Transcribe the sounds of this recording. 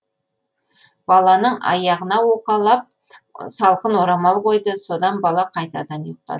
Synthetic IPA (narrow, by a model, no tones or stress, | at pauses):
b̥ɑlˠɑnəɴʔɑ̰jɑʁənɑwo̞qɑlˠɑp̚ | sɑlˠqənwoɾɑmɑlˠqo̞jd̪əso̞d̪ɑnbɑlˠɑqʰɑjt̪ɑd̪ɑnujʊq̚t̪ɑ̰